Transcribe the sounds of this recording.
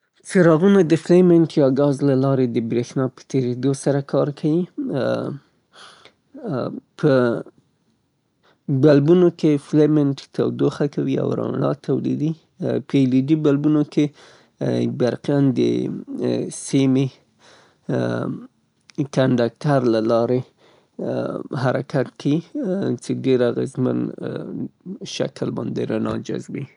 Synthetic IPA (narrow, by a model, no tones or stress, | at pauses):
t͡seɾɑɣunad̪əflemeɳʈjɑɡɑzlalɑɾed̪əbɾexnɑpə̥t̪eɾed̪osaɾakʰɑɾkʰawi | pʰə | balbunokeflemenʈt̪awd̪oxakawia̰wɾɑ̰lɑ̰t̪ʰawlḭd̪i | pəelid͡ʒibalbunoke | baɾqjand̪ə̰ | semi | kaɳɖɑk̚ʈaɾlalɑɾe | haɾakat̪kawit͡seɖeɾaɣazma̰n | ʃa̰klbɑ̰nd̪eɾanɑ̰d͡ʒa̰zbi